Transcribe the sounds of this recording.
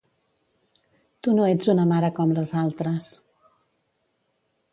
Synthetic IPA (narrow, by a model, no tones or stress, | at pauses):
t̪unoed͡zunəmaɾəkɔmləzalˠt̪ɾəs